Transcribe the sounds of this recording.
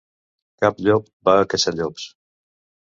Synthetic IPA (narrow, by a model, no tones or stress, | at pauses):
kapʎɔk̚ | baəkəʃaʎɔps